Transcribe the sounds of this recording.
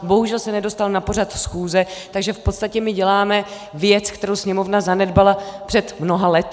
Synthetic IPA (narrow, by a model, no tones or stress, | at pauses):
bo̞ɦuʒɛlsɛnɛdo̞st̪alnapo̞r̝at̪sxuːzɛt̪aɡʒɛfpo̞t̪st̪acɛmɪɟɛlaːmɛ | vjɛt͡skt̪ɛɾowsɲɛmo̞vnazanɛdbalapr̥ɛt̪mno̞ɦalɛt̪